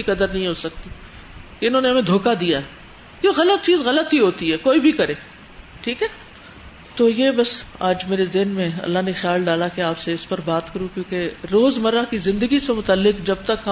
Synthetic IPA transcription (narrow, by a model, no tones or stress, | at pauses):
ikɐd̪əɾnɐɦĩɦoːsɐk̚t̪i | keɪnɦõːneɦɐmẽd̪ʱoːkad̪ijaɛ | kjõːɣɐlət̪̚t͡ʃiːzɣɐlət̪ɦiɦoːt̪iɦɛːkoːibʱikɐɾeː | ʈʰiːkɦɛː | t̪oːjebɐsaːd͡ʒmeːɾezɪɦnmẽɐ̰lːaɦnexjaːlɖaːlakeaːpseɪspɐɾbaːt̪kɐɾũkjõːkeɾoːzmɐɾakizɪ̃nd̪əɡisemʊt̪əlːɪkd͡ʒɐb̚t̪ɐkɦ